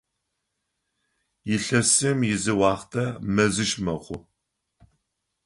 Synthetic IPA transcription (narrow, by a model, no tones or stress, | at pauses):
jɪɬɐsɨmjɪzɨwɑːχtʰɐmɐzɨʃmɐχʷʊ